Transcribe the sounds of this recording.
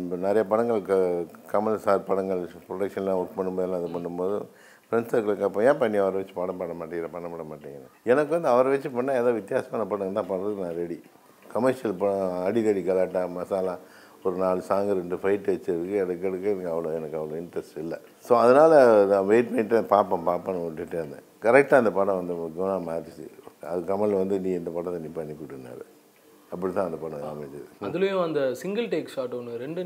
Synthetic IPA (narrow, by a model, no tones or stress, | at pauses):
nɛɾɐjɐpɐɽɐŋɡɐɭkːkɐmɐlɐsaːɾpɐɽɐŋɡɐɭpɾɔʈɐkʂɐnlãːʊʈ̚pɐɳːɯmpoːðɪlãːɐðɯpɐɳːɯmpoːðɯ̰ | pɾɛnsɐɾkːɐɭɯkːɐpːɐ̃jẽːpɐɳːiɐʋɐɾɐʋɛt͡ʃːɯ̥paːɽɐpaːɽɐmaːʈːɪŋɡɪɾɐpɐɳːɐpːɐɽɐmaːʈːiŋɡɐnɐɛnɐkːɯʋɐnd̪ɯɐʋɐɾɐʋɛt͡ʃːɯpɐɳːaːeːðoːʋɪt̪ːjaːsɐmaːnɐpɐɽɐŋɡnːaːpɐɳːɾɐðɯnaɾɛɽi | kɐmɐɾʂɪjɐlpɐɽɐɐɽiðɐɽiɡɐlaːʈːaːmɐsaːlãː | ɔɾɯnaːlsaːŋɡɐɾɛɳɖɯfɐɪʈːʋɛt͡ʃːɐʋɯkːɯɛnɐkːɛɽɯkːɯɛnɐkːɐʋɐloːɛnɐkːɐʋɐlõɪɳʈɾɐsʈɪlːɐ | soːɐðɐnaːlɐɐʋeːʈ̚pɐnːɪʈːɯpaːpːɐ̃paːpːɐnɐɔʈːɪʈːɯɐnd̪ɐ̰ | kɐɾɛk̚ʈaːɐnd̪ɐpɐɽɐ̃ʋɐnd̪ɯkːɐnãːmaːɾt͡ʃːɯ̰ɐ̰ðɯkɐmɐɭʋɐnd̪ɯniːɛnd̪ɐpɐɽɐ̃t̪ːɐnːipɐnːikːuʈːɯnːa̰ːɾɯ | ɐpːɐɽit̪ãːɐnd̪ɐpɐɽɐ̃ka̰ːmɐt͡ʃːɯðɐðɯlɐjõɐnd̪ɐsɪŋɡɐlʈeːksaːʈːɐnɾɛɳɖɯ